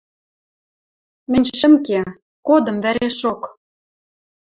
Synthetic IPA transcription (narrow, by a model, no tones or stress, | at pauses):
mɘ̆nʲʃɘ̆mke | kod̪ɤ̆mvæɾeʃok